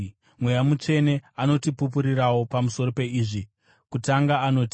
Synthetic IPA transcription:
mwe̞jamut͡ʂe̞ne̞ano̞tipup̬uɾirawo̞pamuso̞ro̞pe̞iːʐi | kutaŋɡaːno̞ti

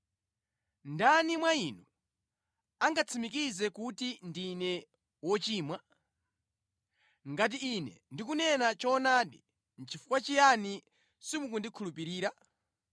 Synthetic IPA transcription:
ndanimwainu | aŋɡat͡sʰimikizɛkutindinɛ | wɔt͡ʃiːmwa | ŋɡat̬iinɛ̰ndikunɛnat͡ʃɔnaːɗi | n̩t͡ʃʰifu̥kwat͡ʃijani | simukundikʰulupiɾiːɾa

